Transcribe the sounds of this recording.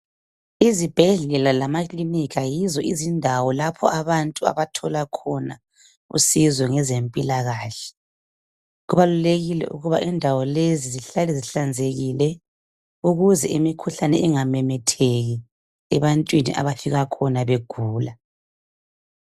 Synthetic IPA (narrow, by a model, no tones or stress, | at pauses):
izib̥ʱɛɮɛlalamakʼlinikajizɔʔizindʱawɔlapʰɔ̰aβantʼua̰βatʰɔlakʰɔna | ṵsizɔŋɛzempʼilaɣaːɬɛ̥ | ɣuβaluleɣilɛ̰ʔṵɣuβaʔɛndʱawɔleziziɬalɛziɬand͡zʱeɣilɛ | uɣuzɛʔimikʰuɬanɛ̰ʔɛŋamɛmɛtʰeɣi | ɛβantʼwinḭʔa̰βafiɣakʰɔnaβeɡ̥ʱuːla